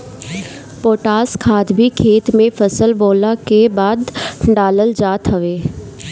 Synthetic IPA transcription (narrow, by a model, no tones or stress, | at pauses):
poːʈaːskʰaːd̪bʱikʰeːt̪mẽfʰɐsəlboːlakebaːd̪ɖaːləld͡ʒaːt̪ɦɐʋeː